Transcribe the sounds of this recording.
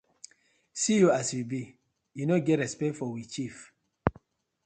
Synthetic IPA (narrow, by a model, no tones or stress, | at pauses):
sijuaswibi | junoɡɛtɹɛspɛktfɔwit͡ʃif